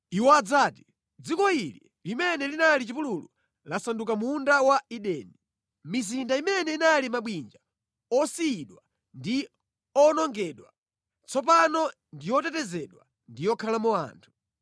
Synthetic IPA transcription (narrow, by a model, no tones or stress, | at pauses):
iwɔad͡zaːti̥ | d͡zikɔili | limɛnɛlinalit͡ʃipululu | lasanduk̬amundawaiɗɛːni | mizindaimɛnɛinalimaɓwind͡ʒa | ɔsiːɗwa | ndi | ɔnɔŋɡɛːɗwa | t͡sʰɔp̬anɔ | ndijɔtɛtɛzɛɗwa̰ | ndijɔkʰalamua̰ːntʰu̥